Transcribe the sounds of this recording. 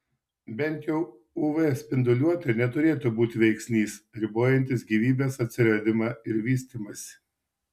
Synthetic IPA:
bʲɛnʲt̪ʲjɛʊ | uːʋɛsʲpʲɪnd̪ʊlʲuɔt̪ɐnʲɛt̪ʊɾʲeːt̪uːbuːt̪ʲɪʋʲɛɪksʲnʲiːsɾʲɪboːjɛnʲt̪ʲɪsɡʲiːʋʲiːbʲeːsɐt̪ʲsʲɪɾɐd̪ʲɪmɑːɪɾʋʲiːsʲt̪ʲiːmɐsʲɪ̥

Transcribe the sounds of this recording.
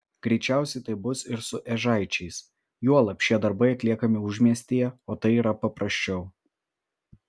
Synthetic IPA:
ɡ̥ɾʲɛɪt͡ʃʲæˑʊsʲɛɪt̪ɐɪbʊsɪɾsʊʔɛʒɐˑɪt͡ʃʲɛɪs | juɔlˠɐpʲʃʲiɛd̪ɐɾbɐɪɐt̪ʲlʲiɛkɐmʲɪʊʒʲmʲiɛsʲt̪ʲijɛoːt̪ɐɪiːɾɐpɐpɾɐsʲt͡ʃʲɛʊ

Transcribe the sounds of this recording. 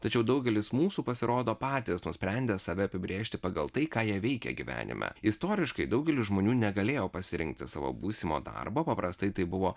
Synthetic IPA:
t̪ɐt͡ʃʲɛʊd̪ɐʊɡʲɛlʲɪsmuːsuːpɐsʲɪɾoːd̪oːpɑːt̪ʲisnʊsʲpʲɾʲɛnʲd̪ʲeːsɑʋʲɛɐpʲɪbʲɾʲeːʃʲt̪ʲɪpɐɡɐlˠt̪ɐɪkɑːjiɛʋʲɛɪkʲɛ̰ɡʲiʋʲæ̰ːnʲɪ̰mʔæ̰ɪst̪oːɾʲɪʃkɐɪd̪ɐʊɡʲɛlʲɪʒmoːnʲuːnʲɛɡɐlʲeːjoːpɐsʲɪɾʲɪ̰ŋk̚t̪ʲɪsɑːʋo̰ːbuːsʲɪmo̰d̪ɐ̰ɾboːpɐpɾɐst̪ɐɪt̪ɐɪbʊʋoː

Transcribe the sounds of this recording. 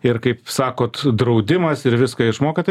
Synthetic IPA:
ɪɾkɐɪpsɑːkoːt̪d̪ɾɐʊd̪ʲɪmɐsɪɾʋʲɪskɐɪʃmoːkʲɪt̪

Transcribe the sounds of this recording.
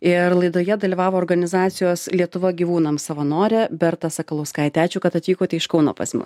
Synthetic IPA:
ɪɾlˠɐɪd̪oːjɛd̪ɐlʲiʋɑːʋoːrɡɐnʲɪzɑːt̪sʲɪjoːslʲiɛt̪ʊʋɐɡʲiʋuːnɐmsɐʋɐnoːɾʲɛbʲɛɾt̪ɐsɐkɐlˠɐʊskɑːɪt̪ʲæːt͡ʃʲuːkɐt̪ɐt̪ʲʋʲiːkoːt̪ʲɛɪɪʃkɒʊno̰ːpɐ̰sʲmʲɪs

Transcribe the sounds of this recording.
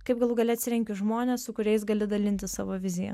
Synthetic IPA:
kɐɪp̚ɡɐlˠʊɡɐlʲɛɐt̪ʲsʲɪɾʲɛŋʲkʲʊʒmoːnʲeːssʊkʊɾʲɛɪs̬ɡɐlʲɪd̪ɐlʲɪnʲt̪ʲɪssɑ̰ːʋoːʋʲɪzʲɪjɛ̰

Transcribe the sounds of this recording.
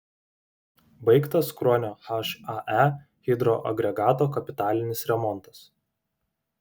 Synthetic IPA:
bɐɪkt̪ɐskɾɔːnʲoːxɐʃɑʔæ | xʲɪd̪ɾoːʔɐ̰ɡɾʲɛɡɑːt̪oːkɐpʲɪt̪ɑːlʲɪnʲɪsɾʲɛmɔnt̪ɐ̥s

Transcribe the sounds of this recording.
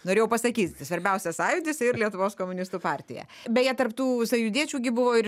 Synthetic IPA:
noːɾʲeːjɛʊpɐsɐkʲiːt̪ʲsʋɐɾʲbʲɛʊsʲɛsɑːjʊd̪ʲɪsɪɾlʲiɛt̪ʊʋoːskoːmʊnʲɪst̪uːpɑːɾʲt̪ʲɪjɛ̰ | bʲɛtjiɛt̪ɐrpt̪uːsɐjʊd̪ʲiɛt͡ʃʲuːɡʲɪbʊʋoːɪɾ

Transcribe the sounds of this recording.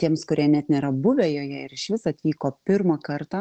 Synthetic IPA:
t̪ʲiɛmskʊɾʲiɛnʲɛt̪nʲeːɾɐbʊʋʲeːjoːjɛɪɾɪʃʋʲɪsɐt̪ʲʋʲiːkoːpʲɪɾmɐkɐɾt̪ɑ

